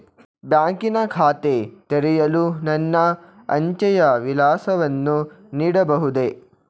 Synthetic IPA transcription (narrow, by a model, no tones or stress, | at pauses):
bjaːŋkinɐkʰaːt̪et̪ɐɾijɐlunɐnːɐ | ɐ̰ɲt͡ʃɐjɐʋilaːsɐʋɐnːu | niːɽɐbɐɦud̪e